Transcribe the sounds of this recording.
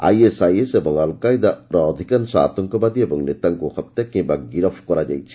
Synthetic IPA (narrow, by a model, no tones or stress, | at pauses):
a̰jesajesebɔŋalkajd̪aɾɔːd̪ʱikansɔa̰t̪ɔŋkɔbad̪iebɔŋnit̪aŋkuxɔt̪jakĩmbaɡiɾɔpʰkɔɾad͡ʒa̰jt͡ʃʰi̥